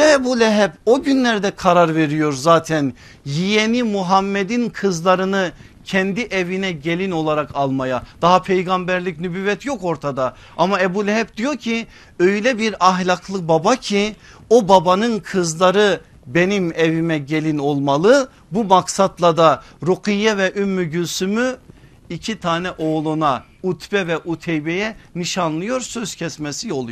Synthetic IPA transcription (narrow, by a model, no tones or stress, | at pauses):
ɛɛbulʲɛɦɛbo̞ɟynlʲæɾd̪ɛkʰaɾaɾveɾijo̞ɾzaːt̪ʰæn | jijenimuɦamːɛd̪inkʰɯzlˠaɾɯnɯ | cʰɛnd̪iʔɛvinɛɟelʲino̞lˠaɾakʰalˠmajad̪̥aɦapʰejɡambæɾlʲicnybyːvɛt̪ʰjo̞ko̞ɾt̪ʰad̪a | amaɛbulʲɛɦɛb̚d̪̥ijo̞ɾcʰi | øjlʲɛbiɾaɦlʲakʰlˠɯbabacʰi | o̞babanɯnkʰɯzlˠaɾɯ | benimɛvimɛɟelʲino̞lˠmalˠɯ | bumaksat̪lˠad̪aɾuqʰijːɛvɛʔymːyɟylsymy | icʰit̪ʰaːnɛʔo̞ɣlˠuna | ut̪ʰbɛvɛʔut̪ʰɛjbɛjɛniʃanlˠɯjo̞ɾsø̞z̥cʰɛsmɛsio̞lˠu